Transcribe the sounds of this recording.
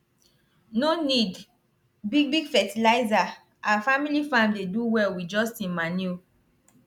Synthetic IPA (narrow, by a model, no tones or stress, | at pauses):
nonid | biɡ̚biɡfɛtilaɪza | ʔaafamilifãmdeduwɛlwid͡ʒɔstĩmanu